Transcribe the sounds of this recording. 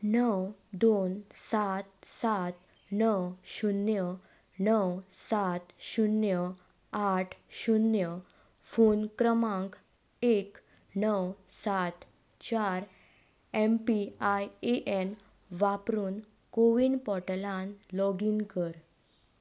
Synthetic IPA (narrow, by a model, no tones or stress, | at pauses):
nəwd̪onsat̪̚sat̪ | nəwɕunjə | nəwsat̪ɕunjə | aʈʰɕunjə | fonkɾəmãŋk | ek | nəwsat̪ | t͡ɕaɾ | ɛmpiajeʔɛn | ʋapɾuːn | koʋiːnpɔʈlãnlɔɡiŋkəɾ